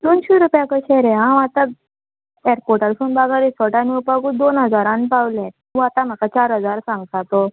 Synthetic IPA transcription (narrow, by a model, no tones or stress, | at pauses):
d̪onɕiɾupjãkəɕeɾeɦãʋat̪a | eɾkoʈalsunbaɡaɾisɔʈaniupaɡuːd̪onɦəd͡zaɾãnpawlɛ̃ | ʋat̪am̤akat͡ɕaɾɦəd͡zaɾsãŋɡsat̪o